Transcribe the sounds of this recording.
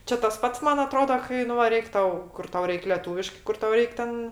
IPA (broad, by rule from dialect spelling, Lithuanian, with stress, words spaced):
ˈt͡ʃʲɛ tɐs ˈpɐts ˈmɐn ɐˈtroːdoː ˈkɐɪ nʊ ʋɐ ˈrʲɛɪkʲ ˈtɐʊ ˈkʊr ˈtɐʊ ˈrʲɛɪk lʲɛˈtuːʋʲɪʃkɜ ˈkʊr ˈtɐʊ ˈrʲɛɪk ˈtʲɛn